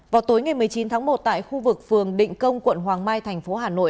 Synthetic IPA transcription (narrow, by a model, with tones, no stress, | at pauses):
vaː˨˩wt̪o˨˦jŋa˨˩jm˨˩əjt͡ɕi˨˦nt̪ʰaː˨˦ŋmo˨˩t̚t̪a̰ː˧˨jxu˧vɨ˨˩k̚fɨ˨˩əŋɗḭ̈˧˨ŋ̟kə˧wŋ͡mkwə̰˧˨nɦwaː˨˩ŋmaː˧jt̪ʰɛ˨˩jŋ̟fo˨˦ɦaː˨˩no̰˧˨